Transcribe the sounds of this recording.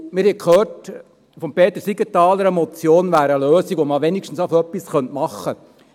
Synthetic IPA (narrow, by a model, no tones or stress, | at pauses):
mɪɾhɛkʰhøːt | fɔmpeːt̪əsiɡətɑːləɾəmɔt͡sjoːnʋæːɾəløːsikʋoməʋɛnikʃtn̩safœpːisχœntmɑχːə